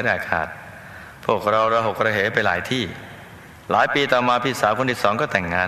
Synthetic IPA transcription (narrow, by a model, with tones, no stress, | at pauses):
ɾaː˨˩kʰa̰ː˨˩t̪̚ | pʰu˥˩ək̚ɾa˧wɾaː˧ɦo˨˩k̚ɾaː˧ɦeː˩˦pa˧jlaː˩˦jt̪ʰiː˥˩ | laː˨˦jpiː˧t̪aɔː˨˩maː˧pʰi˨˩t̪̚saː˩˦kʰo˧ni˨˩sɔː˩˦ŋkɔː˥˩t̪ɛ˨˩ŋːaː˧